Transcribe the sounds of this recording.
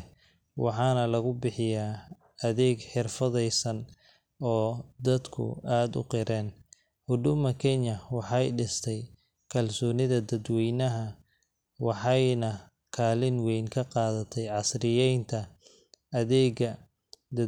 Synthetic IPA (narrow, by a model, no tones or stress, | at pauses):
wʔɑ̰ħɑːnɐlɐɣʊbɪħɪjaː | ɐðɛːɡħɪrfɐðɛjsɐn | ɔːd̪ɐd̪kʰʊ̰aːd̪ʊ̰qɪɾɛːn | hʊd̪ʊmɐkʰɛɲjɐwɑħɑjɖɪst̪ʰɛj | kʰɐlsɔːnɪðɐd̪ɐd̪wɛjnɐɦɐ | wɑħɑjnɐ | kʰaːlɪnwɛjnkʰɐqɑːðɐt̪ʰɛjʕɑsrɪjɛjnt̪ʰɐ | ɐðɛːɡɐ | d̪ɐ